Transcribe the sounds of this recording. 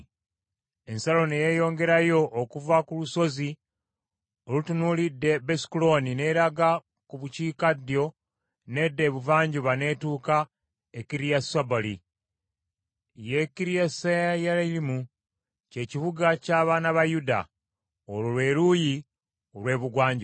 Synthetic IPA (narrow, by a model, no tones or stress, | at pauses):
e̞nsalo̞nejeːjo̞ːŋɡe̞ɾajo̞ʔːkuvakuluso̞zi | olutunuːlidːe̞besi̥kulo̞nine̞ɾaɡa | kuβuciːkadjo̞ | ne̞dːe̞βuvaːɲɟuβane̞ːtuːka | ekiɾijasabolḭ | jekiɾijasajajalailimu | ce̞ːciβuɡacaːβaːnaβajuda̰ | olulwe̞ːɾuji | olwe̞ːβuɡwaːɲɟ